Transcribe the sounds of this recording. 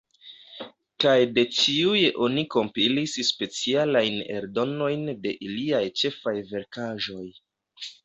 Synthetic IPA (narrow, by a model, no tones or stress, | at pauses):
kajde̞t͡ʃiujeʔo̞niko̞mpilisspe̞t͡sialajne̞̰ɾdo̞no̞jnde̞ʔiliajt͡ʃe̞fajve̞ɾkaʒo̞j